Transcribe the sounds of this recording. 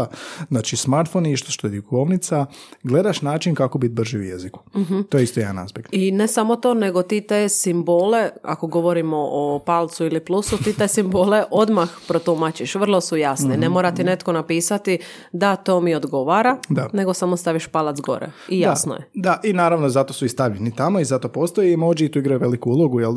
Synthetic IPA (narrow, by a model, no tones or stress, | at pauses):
znaːt͡ʃismaɾt̪foniʃt̪oʃt̪oed̪jukoʋnit̪saɡle̞d̪aʃnaːt͡ʃinkakobit̪̚br̩ʒiujḛziku̥ɦm̩t̪ojeist̪ojed̪ana̰spʲekt̪ine̞samo̞t̪o̞ːne̞ɡo̞t̪iːt̪esimboːle̞a̰ko̞ɡo̞ʋo̞ɾimo̞ʔopalˠt̪suiliplusut̪iːt̪esimboːle̞ʔo̞d̪maxpɾot̪umat͡ɕiʃʋr̩lˠo̞sujasnene̞moɾat̪ine̞t̪konapiːsat̪i | d̪at̪o̞ːmio̞d̪ɡo̞ʋaɾad̪ane̞ɡo̞samost̪aʋiʃpalat̪zɡo̞̰ɾḛijaasno̰jed̪aʔinaːɾaʋnozat̪o̞suist̪aʋʎenit̪amoizat̪opoːst̪ojimoːd͡ʒiit̪uiɡɾajuʋe̞likuulˠoɡujel